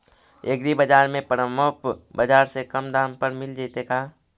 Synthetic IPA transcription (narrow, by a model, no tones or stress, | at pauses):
eɡɾibəd͡ʒaːɾmẽpəɾəmopbəd͡ʒaːɾsekəmd̪aːmpəɾmɪld͡ʒat̪ekaː